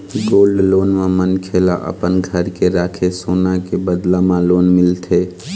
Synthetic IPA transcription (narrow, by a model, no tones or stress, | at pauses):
ɡoːlɖloːnmãmənkʰeːlaʔə̰pənɡʱəɾkeɾaːkʰesoːnakebəd̪lãmãloːnmɪlt̪ʰeː